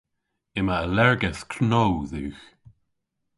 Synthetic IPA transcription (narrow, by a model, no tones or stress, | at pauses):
ɪmaəlɛɹɡɛθkʰnowðʉːx